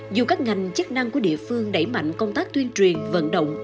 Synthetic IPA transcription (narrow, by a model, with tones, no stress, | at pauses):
zu˨˩kaː˦˥k̚ŋa˨˩jŋ̟t͡ɕə˦˥k̚na˧ŋku˧˩əɗḭ˧˨əfɨ˧əŋɗə˧˩jma̰˧˨jŋ̟kə˧wŋ͡mt̪aː˦˥k̚t̪wi˧ənt͡ɕwi˨˩ənvə̰˧˥nɗə̰˧˨wŋ͡m